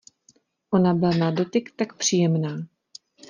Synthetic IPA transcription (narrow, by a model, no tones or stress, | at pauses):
ʔo̞nabɪlanado̞t̪ɪkt̪akpr̝̥iːjɛmnaː